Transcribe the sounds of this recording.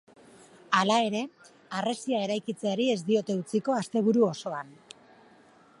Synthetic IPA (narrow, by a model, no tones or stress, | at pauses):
alae̞ɾe̞ | are̞siae̞ɾajkit͡seaɾie̞zd̪io̞t̪e̞ut͡siko̞ast̪e̞β̞uɾuo̞so̞an